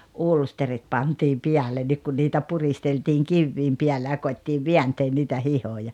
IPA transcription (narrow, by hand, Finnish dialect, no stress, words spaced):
ulsterit pɑntiːm piælenːik kun niːtæ puristeltiːŋ kiʋːiːm piælːæ jɑ koitːiːʋ ʋiænteːn niːtæ hihojɑ